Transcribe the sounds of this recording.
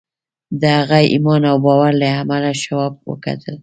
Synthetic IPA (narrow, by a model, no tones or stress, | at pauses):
d̪əhaɣaḭmɑnawbɑwaɾlaamalaʃawɑb̚wə̰ka̰t̪ʰəl